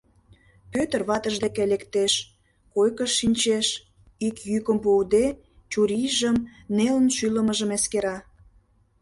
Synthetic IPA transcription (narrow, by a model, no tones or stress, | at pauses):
pøt̪ərβɑt̪əʒd̪ekelekt̪eʃ | kojkəʃːinʲt͡ɕeʃ | ikjykəmpuːd̪e | t͡ɕuɾʲiʒəmnelənʃyləməʒəmeskeɾɑ